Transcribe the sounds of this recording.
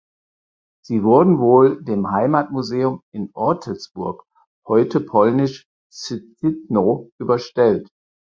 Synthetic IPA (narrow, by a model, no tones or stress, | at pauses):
z̥iːvʊɐdn̩voːldeːmhaɪmaːtmuzeːʊmɪnʔɔɐtʰəlsb̥ʊɐk | hɔʏtəpʰɔlnɪʃ | t͡sɪt͡sɪtnoʔyːbɐʃtɛlt